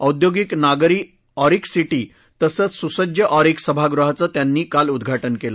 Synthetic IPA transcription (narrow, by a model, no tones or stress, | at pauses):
əwd̪joɡiknaɡɾiː | ɔɾiksiʈiː | t̪əsət͡ssusəd͡ʑjəʔɔɾiksəbʱaɡɾuɦat͡sət̪janːiːkalud̪ɡʱaʈənkela